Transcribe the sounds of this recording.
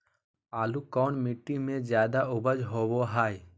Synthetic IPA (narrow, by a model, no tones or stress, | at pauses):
aːlukɔːnmɪʈːimẽzjaːd̪aʊbəd͡ʒɦoːboɦaːj